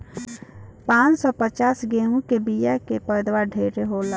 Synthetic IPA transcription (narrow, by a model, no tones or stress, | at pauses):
pãt͡ʃsɔpət͡ʃasɡemũkebijakepəjd̪waɖʱeɾeɦola